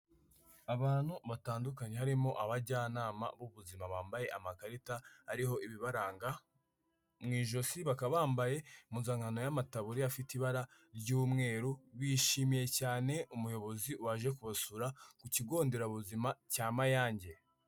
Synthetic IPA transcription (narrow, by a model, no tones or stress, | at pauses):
aβaːn̥huβataːndukaɲe̞ɦaɾimo̞ʔaβaɟaːnaːma̰βuβuzimaβaːmbaje̞ʔamakaɾitahaɾiɦo̞ʔiβiβaɾaːŋɡa | mŋiːʒo̞siβakaβaːmbaje̞munzaŋano̞jamataβuɾiafitiβaɾa | ɾɟuːmŋe̞ːɾuβiʃimije̞caːne̞umujo̞βo̞ziwaʒe̞kuβasuɾakuciɡo̞ːnde̞ɾaβuzimacaːmajaːɲɟe̞